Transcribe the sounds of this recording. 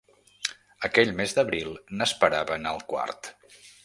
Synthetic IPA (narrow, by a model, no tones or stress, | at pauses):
əkɛʎmezd̪əβɾilˠnəspəɾaβənəlˠkwa̰rt̪